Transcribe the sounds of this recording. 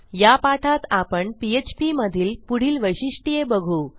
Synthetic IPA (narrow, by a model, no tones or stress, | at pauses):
japaʈʰat̪apəɳpiet͡ɕpiməd̪ʱiːlpuɽ̤iːlʋəjɕiʂʈijebəɡʱu